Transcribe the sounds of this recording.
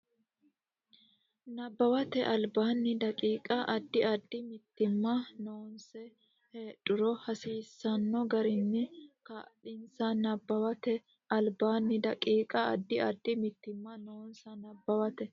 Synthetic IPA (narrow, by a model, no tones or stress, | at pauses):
nɐbːɐwɐt̪ɛʔɐlbaːnːɪd̪ɐkʼiːkʼɐʔɐd̪ːɪɐd̪ːɪmɪt̪ːɪmːɐnoːnsɛ | heːᶑʊɾɔhɐsiːsːɐnːɔɡɐɾɪnːɪkɐᶑɪnsɐnɐbːɐwɐt̪ɛ | ʔɐlbaːnːɪd̪ɐkʼiːkʼɐɐd̪ːɪʔɐd̪ːɪmɪt̪ːɪmːɐno̞ːnsɐnɐbːɐwɐt̪ɛ